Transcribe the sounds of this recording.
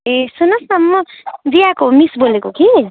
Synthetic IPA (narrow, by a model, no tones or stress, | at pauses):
esunʌsamːʌd̪ijakomisbolekoki